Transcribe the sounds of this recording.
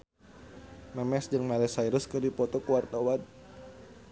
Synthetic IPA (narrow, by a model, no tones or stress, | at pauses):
mɛmɛsd͡ʒɨŋmalɛsajɾʊskɨrdipɔt̪ɔkuwart̪awan